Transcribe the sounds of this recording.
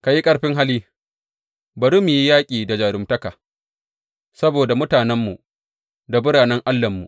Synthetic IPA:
ka˨ji˦kʼɐ˦ɽɸɪ˦ŋɦa˦liː˦ | bɐ˨ɽu˦mːi˨ji˦jaː˦kʲʼiː˨da˨d͡ʒaː˨ɾʊ˨mtɐ˦ka˨ | sɐ˦boː˨da˨mʊ˦taː˨nɛ˦mːu˨ʔ | da˨bʊ˦ɽaː˨nɛ˦ŋʔa˦lːɐ˨mːṵ˨ʔ

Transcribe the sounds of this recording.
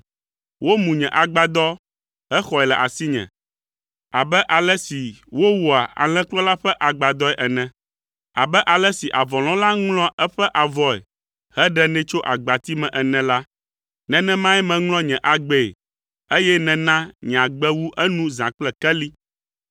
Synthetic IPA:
wʔo˦mũ˨ɲɛ̃˨ʔa˨ɡ͡ba˨d̪ɔ˦ | ɦɛ˦xɔ˨ɛ˨lɛ˨ʔa˨si˦ɲɛ̰̃˨ | a˨bɛ˦ʔa˨lɛ˦si˨wo˦wu˨a˨a̰˨l̃ɛ̃˦klɔ˦la˦ɸɛ˦ʔa˨ɡ͡ba˨d̪ɔ˦ɛ˨ʔɛ˨nɛ̃˨ | a̰˨bɛ˦ʔa˨lɛ˦si˨ʔa˨vɔ˨l̃ɔ̃˦la˦ŋlɔ̃˦ʔɛ˦ɸɛ˦ʔa˨vɔ˦ɛ̰˨ | hɛ˦ɖɛ˦nɛ̃˦t͡ʃo˦ʔa˨ɡ͡ba˨t̪i˦mɛ̃˨ʔɛ˨nɛ̃˨la˦ | nɛ̃˦nɛ̃˦mã˦ɛ˦mɛ̃˨ŋlɔ̃˦ɲɛ̃˨ʔa˨ɡ͡bɛ̰˨ | e˦jɛ˦nɛ̃˨nã˦ɲ˨ã˨ɡ͡bɛ˦wu˦ʔɛ˦nũ˦zã˨k͡plɛ˦kɛ˦li˦

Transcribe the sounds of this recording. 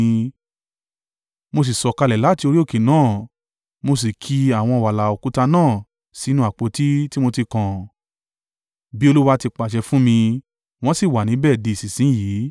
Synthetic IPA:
mo˧s̬i˨sɔ˨ka˧lɛ˨la˦ti˧o˧ɾi˦o˦˨ke˨nãː˦˨ | mo˧s̬i˨kʰi˧a˨w̃ɔ̃˧˨wa˨la˨o˨ku˨˦ta˧nãː˦˨ | si˨˦nũ˦a˨k͡po˨˦ti˦ti˦mo˧ti˧kã˨ | bi˦o˧lu˦wa˧˦˧ti˧k͡pa˨ʃ̬ɛ˧fũ˦mĩ˧ | w̃ɔ̃˦si˦˨wa˨nĩ˨˦bɛː˦˨di˧˨si˨sĩ˨˦jiː˨˦

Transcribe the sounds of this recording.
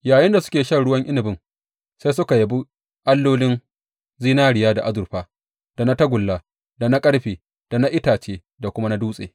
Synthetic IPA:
jaː˨jɪ˦nda˨sʊ̥˦kʲeː˨ʃɐ˦˨ɽʊ˦wɐ˦ŋʔɪ˦nɪ˨bɪ˦ŋ | se˦jsʊ˦ka˨jɐ˨bu˦ | ʔa˦lːoː˦lɪ˦n | zi˦naː˦ɽɪ˨jaː˦da˨ʔa˦zʊ˨ɾɸaː˦ | d̥a˨na˦tɐ˦ɡʷʊ˨lːaː˨ | da˨na˦kʼɐ˦ɽɸeː˨ | d̥a˨na˦ʔɪ˦taː˨t͡ʃeː˦ | da˨kʷʊ˦ma˦na˦duː˦sʼḛː˨

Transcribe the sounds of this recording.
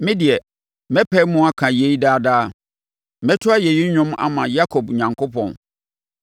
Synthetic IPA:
mɪ̃˦dɪ˨ɛ˨ | mɛ˦pʰɛ˦mʊ̃˦a˦kʰã˨je˨˦i˦daː˦daː˦ | mɛ̃˦tʰʊ˦a˦jɛ˨ji˦ɲᶣʊ̃˦ma̰˦mã̰˨ja˦kʰo˨b̚ɲã˨ŋkʰo˦pʰɔ̰̃˨n

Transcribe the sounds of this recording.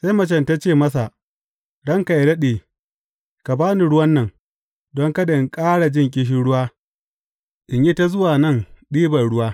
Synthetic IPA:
sa˦jmɐ˨t͡ʃɛ˨nta˦t͡ʃeː˦˨mɐ˦s̬a˨ | ɽɐ˦ŋka˨ʔɪ˨ɾɐ˦ɗeː˨ | ka˨baː˦ni˨ɽʊ˦wɐ˦nːɐ˨ŋ | dɔ˦ŋka˦da˨ɪ˨ŋkʼaː˦ɽa˨d͡ʒɪ˦ŋkʲʼɪ˦ʃ̬ɪ˦ɽʊ˦waː˦ | ʔɪ˨ɲji˦ta˦zʊ˦waː˨nɐ˦˨ŋɗiː˦bɐ˨ɽʊ˦waː˦

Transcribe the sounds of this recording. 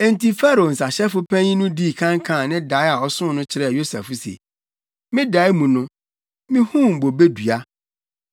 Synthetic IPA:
ɛ˨n̩˨ti˦fa˦ɾo˨n̩˨sa˨ɕɛ˦fʊ˦pʰæ̃˦ɲĩ˦nʊ̃˦di˦˨kʰã˦ŋkʰã˦˨nɪ̃˦da˨˦a˨ɔ˨sʊ̃˦nʊ̃˦t͡ɕʰɪ˨ɾɛ˦˨jo˦sa̰˨fʊ˦sḛ˨ | mɪ̃˦da˨˦i˦mũ˨nʊ̃˦ | mɪ̃˦hũ˦˨m̩˨bo˨be˦du˨a˦

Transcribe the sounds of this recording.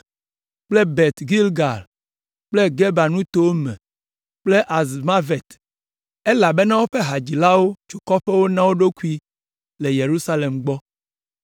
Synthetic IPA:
k͡ple˦be˨t̪ɡi˦lɡa˨l | k͡ple˦ɡe˦ba˨nũ˦t̪o˦wo˦mɛ̰̃˨ | k͡ple˦ʔa˨zma˦ve˨t̪ | e˦la˨be˦nã˦wo˦ɸe˦ɦa˨d͡ʑi˨la˦wo˦t͡ʃu˨kɔ˦ɸe˦wo˦nã˦wo˦ɖo˦ku˦i˦ | le˨je˨ɾu˦sa˦le˨mɡ͡bɔ˦

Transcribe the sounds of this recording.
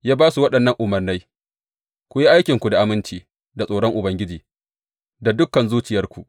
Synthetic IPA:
jaː˦baː˦su˨wɐ˦ɗɐ˨nːɐ˦ŋʔʊ˨mɐ˨rna˦j | kʷʊ˨ji˦ʔa˦jkʲɪ˨ŋkʷu˨da˨ʔa˨mɪ˦nt͡ʃiː˨ | da˨sʼoː˨ɽɔ˦ŋʔʊ˨bɐ˦ŋɡʲɪ˦d͡ʒiː˨ | da˨dʊ˦kːɐ˨nzuː˦t͡ʃɪ˨jɐ˦rkʷu˨ʔ

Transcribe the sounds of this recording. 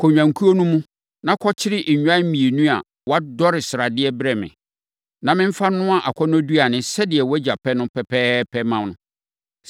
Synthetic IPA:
kʰɔ˨ɲᶣã˨ŋ˨kʰu˦o˦nũ˦mũ˦ | nã˦kʰɔ˦t͡ɕʰɪ˦ɾɪ˦ʔ̩˨ɲᶣã˦m̩˦mĩ˨e˨nũ˦a˨ | wɔ˦a˦dɔ˦ɾɪ˨sɪ˨ɾa˨dɪ˦ɛ˦bɪ˦ɾɛ˨mɪ̰̃˨ | nã˨mɪ̃˦m̩˦fa˦nʊ̃˦a˨ʔa˨kʷʰɔ˦n˦a˦du˦a˨nɪ̃˨sɛ˦dɪ˨ɛ˨wɔ˦d͡ʑa˨pʰɛ˦nʊ̃˦pʰɛ˨pʰɛː˦pʰɛ˦mã˨mnʊ̃˨˦

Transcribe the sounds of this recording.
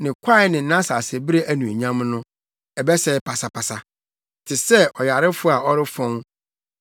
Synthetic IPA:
nɪ̃˨kʷʰa˦ɪ˦nɪ̃˨n̩˦nã˦sa˨sɛ˨bi˦ɾe˦ʔæ˦nũ˨ɲã˦mnʊ̃˦ | ɛ˨bɛ˦sɛ˦ɪ˦pʰa˨sa˨pʰa˨sa˨ | tʰɪ˨sɛ˦ʔɔ˨ja˨ɾɪ˦fʊ˦a˨ɔ˦ɾɪ˦fɔ̃˦ŋ

